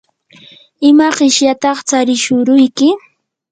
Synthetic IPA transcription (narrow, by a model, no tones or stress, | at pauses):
ɪmaɢɪʃjat̪ɑχt͡saɾɪʃʊɾʊjkɪ